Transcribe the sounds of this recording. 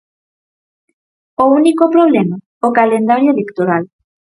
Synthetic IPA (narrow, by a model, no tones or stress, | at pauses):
ounikopɾoβlɛma | okalend̪aɾjoelekt̪oɾal